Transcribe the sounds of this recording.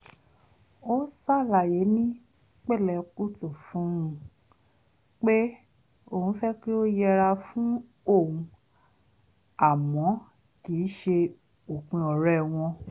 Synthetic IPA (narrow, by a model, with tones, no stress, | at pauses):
o˦sa˦˨la˨je˨˦nĩ˦ | k͡pɛ˦˨lɛ˧ku˦to˦˨fũ˨˦ũ˧˦ | k͡pe˦ | o˨ũ˨˦fɛ˦k͡pe˦o˦jɛ˧ɾa˧fũ˦ | o˦˨ũ˧ | a˨mɔ̃˨˦ | ki˨˦ʃe˧ | o˨k͡pĩ˧ɔ˨ɾɛ˦˨w̃ɔ̃˧